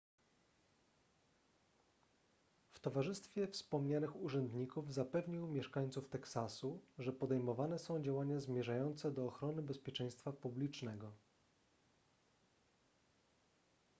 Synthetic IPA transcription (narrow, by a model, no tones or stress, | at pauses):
ft̪ɔvaʐɘst̪fʲjɛfspɔmɲanɘxuʐɛnd̪ɲikuvzapɛvɲiwmʲjɛʂkaɲʲt̪suft̪ɛksasuʐɛpɔd̪ɛjmɔvanɛsɔ̃w̃d͡ʑawaɲazmʲjɛʐajɔnt̪sɛd̪ɔːxɾɔnɘbɛspʲjɛt͡ʂɛj̃st̪fapublʲit͡ʂnɛɡɔ